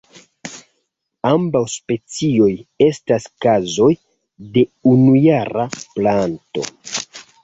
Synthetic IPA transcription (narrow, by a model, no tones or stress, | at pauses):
ambawspe̞t͡sio̞je̞staskazo̞j | de̞unujaɾaplanto̞̰